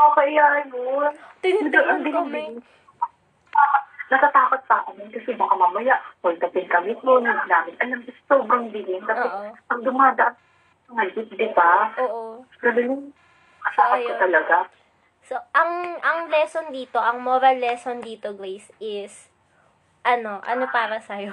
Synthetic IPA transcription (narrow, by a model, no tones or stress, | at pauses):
ʔokɐjaːjont̪ɪd̪ɐʔond̪ɪm | aːpɐt̪̚nɐt̪ɐt̪aːpɐt̪̚pɐʔɐmɪnkɐsɛbakamamɐjaʔwɐɡ̚t̪ɐp̪ɪnkɐmɪt̪onɐɡnaːmɪnʔɐlɐmɡʊst̪obɾɐŋd̪ɪlɪnk̪aospɐŋd̪ʊmaːd̪ɐʔam | sɐŋɐɡɪt̪̚d̪ɪbaʔoːʔo | ɡɐnɪnʊŋ | kɐsaːkɐjkɐt̪ɐlɐɡa | soʔɐŋʔɐŋlɛsond̪iːt̪o̞ʔɐŋmoɾɐlːɛsond̪iːt̪oɡɾejsʔɪs | ʔɐno̞ʔɐ̰no̞paːɾɐsɐjo